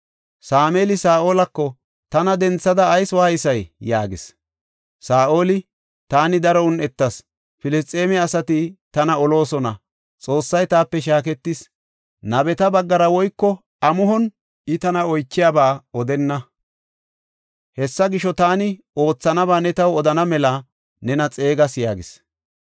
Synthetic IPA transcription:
saːmeːlɪsaːʔoːlɐkːɔ | t̪ɐnɐd̪ɛnt͡sːɐd̪ɐːjswɐhɐjsɐjja̰ːɡɪ̰s | saːʔo̞ːlɪ | t̪aːnɪd̪ɐɾɔʊnɛt̪ːɐs | fɪlɪs̬t̪ʼe̞ːmɛɐsɐt̪ɪt̪ɐnɐɔlo̞ːsɔnɐ̰ | t͡sʼo̞ːsːɐjt̪aːpːɛʃ̬aːk̬ɛt̪ːɪs | nɐbɛt̪ɐbɐɡːɐɾɐwɔjkːɔ | ɐmʊɦɔn | ɪt̪ɐnɐɔjt͡ʃːɪjaːbaːɔd̪ɛnːɐ | hɛsːɐɡɪʃɔt̪aːnɪ | o̞ːt͡sːɐnɐbaːnɛt̪ɐwɔd̪ɐnɐmɛlɐ | nɛnɐt͡sʼe̞ːɡɐsjaːɡɪs

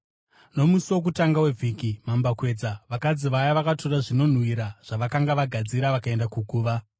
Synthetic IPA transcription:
no̞musiwo̞k̬utaŋɡawe̞vʱikimambakwe̞ːd͡zaʋakad͡ziʋajaʋakatoɾaʐino̞n̤wiɾaʐ̥aʋakaŋɡaʋaɡʱad͡ziɾaʋakae̞ndakukuːʋa

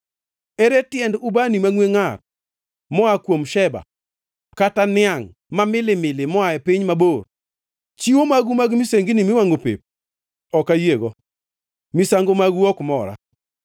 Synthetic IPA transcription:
eɾetɪjɛndubanimaŋweŋar | mɔakwomʃɛba̰ | katanɪaŋ | mamɪlɪmɪlɪmɔaɛpɪɲmabor | t͡ʃiwomaɡumaɡmiseŋɡinimɪwaŋopḛp̚ | ɔkajeɡɔ | misaŋɡomaɡuɔkmɔɾa̰

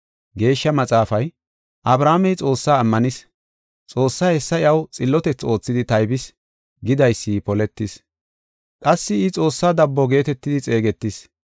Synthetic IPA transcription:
ɡe̞ːʃːɐmɐt͡sʼaːfɐj | ʔɐbɾaːmɛjt͡sʼo̞ːsːaːmːɐnɪs | t͡sʼo̞ːsːaːhɛsːɐɪɐwt͡sʼɪlːɔt̪ɛt͡sːo̞ːt͡sːɪd̪ɪt̪ɐjbɪs | ɡɪd̪ɐjsːipɔlɛt̪ːɪs | kʼɐsːɪɪt͡sʼo̞ːsːaːd̪ɐbːɔɡe̞ːt̪ɛt̪ːɪd̪ɪt͡sʼe̞ːɡɛt̪ːɪs

